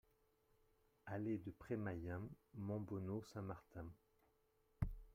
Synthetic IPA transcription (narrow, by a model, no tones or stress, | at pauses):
aled̪əpχɛmajɛ̃mɑ̃bɔnosɛ̃maʁt̪ɛ̃